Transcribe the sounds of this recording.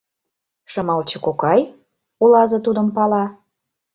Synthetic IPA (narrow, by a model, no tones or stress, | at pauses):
ʃɤ̆mɑlt͡ɕɤ̆kokɑj | ulɑzɤ̆t̪ud̪ə̆mpɑlɑ